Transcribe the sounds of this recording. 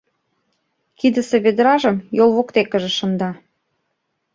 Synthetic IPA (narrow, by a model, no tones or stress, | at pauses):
kid̪ə̆seβed̪ɾɑʒəmjolˠβokt̪ekə̆ʒĕʃə̆nd̪ɑ